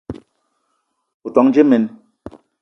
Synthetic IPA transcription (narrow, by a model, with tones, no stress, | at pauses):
u˨tɔ˨˦ŋd͡ʒe˦me˨n